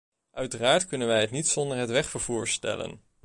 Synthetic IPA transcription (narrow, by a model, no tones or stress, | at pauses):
ʔœɥtəraːɹtkɵnənʋɛjɦətnitsɔndəɹɦətʋɛχfəɹv̥uːɹstɛ̰lə̰n